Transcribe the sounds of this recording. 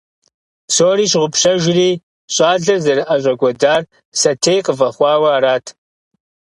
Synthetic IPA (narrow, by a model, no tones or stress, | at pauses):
soːriːɕ̬ʁʷʊpʰɕɐʒriː | ɕʼaːɮɐrzɐrɨʔɐɕ̬ʷʼɐɡʷɔdaːr | sɐtʰejqəvɐχʷɑːwɐːɾaːtʰ